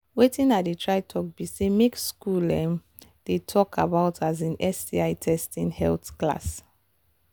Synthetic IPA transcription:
wetĩnat̚detʰɹaɪtʰɔk̚bisemekskulɛ̰̃m | d̥etʰɔkʰa̰baʊtʰazĩnɛsiaɪtʰɛstĩnhɛ̰lθkla̰s

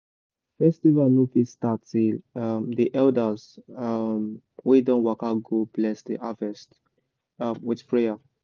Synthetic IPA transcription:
fɛstivalnufistatilamdiʔɛldəz | m | wedɔ̃nwakaɡoblɛsdḭʔavɛst | mwɪdpʰɹeja

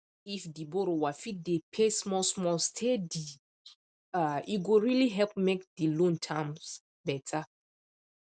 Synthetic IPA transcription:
ifdiboɾowafit̚depʰesmɔsmɔlstʰedi | aiɡoɹiliɦɛlp̚mekdilõntʰãms | bɛtʰa

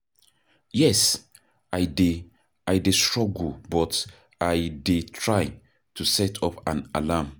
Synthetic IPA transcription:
jɛs | ʔajde | ajdestɹɔɡul̩bɔt | ajdetʰɹaɪ | tʰusɛtʰɔpãnalam

